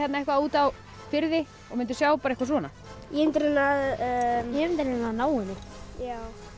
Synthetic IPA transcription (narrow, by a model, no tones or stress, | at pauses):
ɛt̪naɛhkvauːt̪aw | fɪɾðɪ | ɔɣmɪnt̪ʏ̥sjaːwpaɾaikvasvɔːna | jɛɪnt̪ɾnaðjɛɪnt̪ɾɛnaðnaːwʏnɪjaːw